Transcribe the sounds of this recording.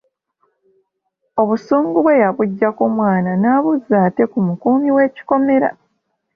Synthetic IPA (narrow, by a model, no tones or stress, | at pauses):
o̞βusuːŋɡuβwe̞jaβuɟːakomwaːnanaːβuzaːte̞kumukuːmiwe̞ːci̥ko̞me̞ɾa̰